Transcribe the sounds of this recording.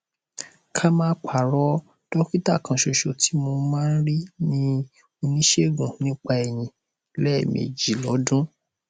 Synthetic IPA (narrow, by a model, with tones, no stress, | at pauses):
kʰa˦mãː˦k͡pa˨ɾɔ˦ | d̥ɔ˦ki˦ta˦˨kã˧ʃo˧ʃo˧tʰi˦mo˧mãː˦n̩˦ɾi˦nĩ˦ | o˧nĩ˦ʃe˦ɡũ˨nĩ˦k͡pa˧ɛ˨j̃ĩ˧ | lɛ˦˨mḛ˨d͡ʒi˨˦lɔ˨˦dũ˦